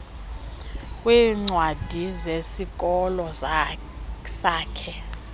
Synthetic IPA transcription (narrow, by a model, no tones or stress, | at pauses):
kʼwiːŋ͡ǀwad̥ʱizesikʼɔlɔ | saːkʰɛ